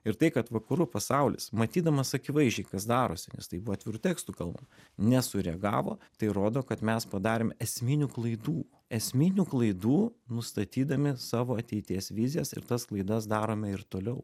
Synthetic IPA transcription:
ɪɾt̪ɐɪkɐt̪ʋɐkɐɾʊpɐsɑʊlʲɪ̰smɐt̪ʲiːd̪ɐmɐsɐkʲɪʋɐɪʒʲd͡ʒʲɛɪkɐsd̪ɑːɾoːsʲɪnʲɛ̰st̪ɐɪbuʋoːt̪ʋʲɪɾʊt̪ʲæːkst̪uːkɐlˠbɐ̰mnʲɛsʊɾʲɛɐɡɑ̰ːʋo̰ːt̪ɐɪɾoːd̪oːkɐt̪mʲɛspɐd̪ɑːɾʲeːmɛsʲmʲɪnʲuːklˠɐɪd̪uː | ɛsʲmʲɪnʲuːklˠɐɪd̪uːnʊst̪ɐt̪ʲiːd̪ɐmʲɪsɑːʋoːɐt̪ʲɛɪt̪ʲiɛsʋʲɪzʲɪjɛsɪ̰ɾt̪ɐsklˠɐɪd̪ɐsd̪ɑːɾoːmʲɛɪɾt̪oːlʲɛʊ

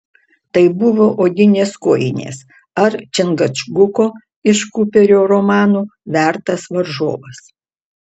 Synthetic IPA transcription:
t̪ɐɪbʊʋoːʔoːɡ̪ʲɪnʲeːskoːjɪ̰nʲḛːs | ɐɾt͡ʃʲɪnɡɐt͡ʃɡʊkoː | ɪʃkʊpʲɛɾʲoːɾomɑːnuːʋʲæˑɾt̪ɐsʋɐɾʒo̰ːʋɐs

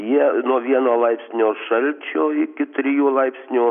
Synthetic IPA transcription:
jiɛnuɔʋʲiɛnoːlˠɐɪpʲsʲnʲoːʃɐlʲt͡ʃʲoːɪkʲɪt̪ʲɾʲɪjuːlˠɐɪpʲsʲnʲuː

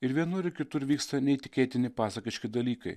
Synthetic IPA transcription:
ɪɾʋʲiɛnʊɾʲɪkʲɪt̪ʊɾʋʲiːkst̪ɐnʲɛɪt̪ʲɪkʲeːt̪ʲɪnʲɪpɑːsɐkʲɪʃʲkʲɪd̪ɐlʲiːkɐɪ

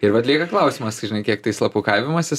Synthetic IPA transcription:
ɪɾʋɐt̪ʲlʲiɛkɐklˠɐʊsʲimɐstʒɪnɐɪkʲiɛk̚t̪ɐɪslˠɐpuːkɐɪʋʲɪmɐsʲɪ

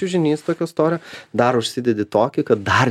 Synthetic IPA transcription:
ʊʒʲɪnʲiːst̪oːkʲoːɪst̪oːɾʲjod̪ɐɾʊʃʲsʲɪd̪ʲɛd̪ʲɪt̪oːkʲɪkɐt̪̚d̪ɐr

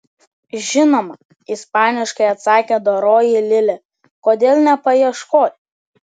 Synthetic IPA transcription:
ʒʲɪnoːmɐ | ispɑːnʲɪʃkɐɪɐt̪sɑːkʲeːd̪oɾoːjɛlʲɪlʲɛ | koːd̪ʲeːlˠʲnʲɛpɐjiɛʃkoːt̪ʲ

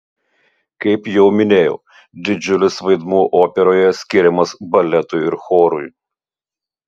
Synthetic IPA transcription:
kɐɪpjɛʊmʲɪnʲeːjɛ̰ʊ | d̪ʲɪd͡ʒʲʊlʲɪsʋɐɪd̪muːʔoːpʲɛɾoːjɛsʲkʲɪɾʲɛmɐsbɐlʲɛt̪ʊɪɪɾxoːɾʊj

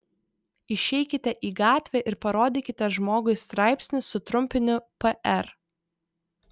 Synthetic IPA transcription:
ɪʃʲɛɪkʲɪt̪ʲɛʔiːɡɑːt̪ʲʋʲɛːʔɪɾpɐɾoːd̪ʲɪːkʲɪt̪ʲɛʒmoːɡʊɪst̪ɾɑˑɪpʲsʲnʲɪsːʊt̪ɾʊmʲpʲɪnʲʊpɛʔɛɾ

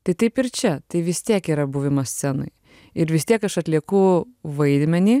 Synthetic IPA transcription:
t̪ɐɪt̪ɐɪpɪɾt͡ʃʲɛt̪ɐɪʋʲɪst̪ʲiɛkiːɾɐbuːʋʲɪmɐsʲsʲɛno̰ɪ | ɪɾʋʲɪsʲt̪ʲiɛkɐʃɐt̪ʲlʲiɛkʊːʋɐɪd̪ʲmʲɛnʲiː

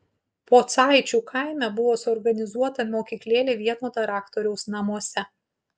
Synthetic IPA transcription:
poːt̪sɑˑɪt͡ʃʲuːˑkʰɑˑɪmʲɛbʊʋoːsɔɾɡɐnʲɪzuɔt̪ɐmʲoːkʲiːklʲeːlʲeʋʲiɛnoːt̪ɐɾɑːkt̪ɔɾʲɛʊsnɐmuɔsʲɛ

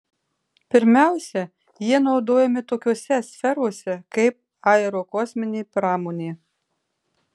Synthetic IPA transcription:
pʲɪɾʲmʲæˑʊsʲɛ | jiɛnɒʊd̪oːjɛmʲɪt̪oːkʲoɔsʲɛsʲfʲɛɾoːsʲɛkɐɪp̚ | ɑɛɾoːkɔsʲmʲɪnʲeːpɾɑːmoːnʲeː

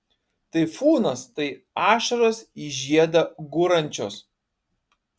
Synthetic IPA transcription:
t̪ɐɪfuːnɐst̪ɐɪ | ɑːʃɐɾoːsiʒʲiɛd̪ɐɡʊɾɐnʲt͡ʃʲo̰ːs

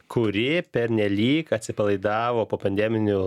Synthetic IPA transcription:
kʰʊɾʲɪpʲɛɾʲnʲɛlʲiːkɐt̪ʲsʲɪpɐlˠɐɪd̪ɑːʋoːpoːpɐnʲd̪ʲɛmʲɪnʲʊ

